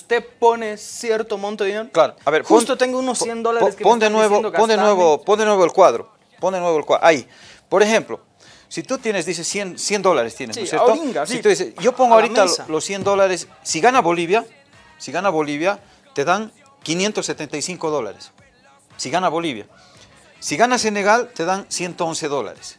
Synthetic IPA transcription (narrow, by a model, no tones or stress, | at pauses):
ust̪eponesjeɾt̪omõnt̪oðineɾoklaɾoaβeɾonst̪ot̪eŋɡounosjend̪olaɾeskepond̪enweβoond̪enweβopond̪enwe̞βoelkwaðɾo̰ | pond̪enwe̞βoelkwa̰ʔai | po̞ɾexe̞mplo̞̰ | sit̪ut̪jenezðis̬esjensje̞nd̪o̞laɾest̪jenesnosjet̪ossit̪uðisesʝopoŋɡoaoɾialosːje̞nd̪o̞laɾesːiɣanaβo̞liβja | siɣanaβo̞liβja | t̪e̞ðaŋ | kinje̞nt̪osːet̪ent̪ajsiŋko̞ðo̞la̰ɾes | siɣanaβo̞liβja̰ | siɣanase̞ne̞ɣalt̪e̞ðansje̞nt̪oonse̞ðo̞la̰ɾes